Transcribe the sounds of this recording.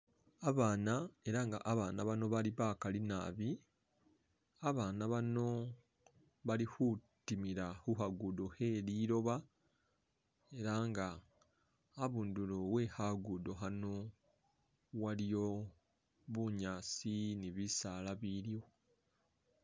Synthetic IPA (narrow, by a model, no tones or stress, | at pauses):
aβaːnae̞ɾaŋɡa̰ʔːβaːnaβano̞βaliβaːkalina̰βi | aβaːnaβano̞ | βalihutimiɾahuhaɡudo̞he̞liːɾo̞βa | e̞ɾaŋɡaː | βuːnduloβwe̞haɡudo̞ɦano̞ | walijo̞ | βuɲaːsiniβisaːlaβilijo̞